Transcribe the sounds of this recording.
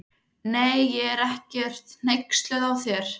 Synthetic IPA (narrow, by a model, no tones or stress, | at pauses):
neːjːɛɛɾɛhcɛr̥t̪n̥ejkst̪lɛðawθjɛɾ̥